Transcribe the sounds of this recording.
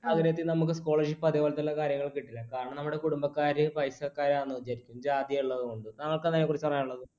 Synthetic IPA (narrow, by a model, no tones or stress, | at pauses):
ɐɡɾɐjɐt̪ːinɐmuk̬ːɨsko̞ːɭeʂipːɐðiʋolɐt̪ːɐilːɐkaːɾjɐŋːɐɭkiʈːilːɐkaːɾɐɳɐmnɐmːuɽe̞kuɽumbɐkːaːɾɨʋɐjsɐkːaːɾaːnːɨʋɐt͡ɕːaːɾikʲːumd͡ʑaːd̪jɐuɭːɐðɨuɳɖɨnɐŋːɐɭkɐnɐnekurit͡ɕːɨpɐrɐjaːɳuɭːɐðɨ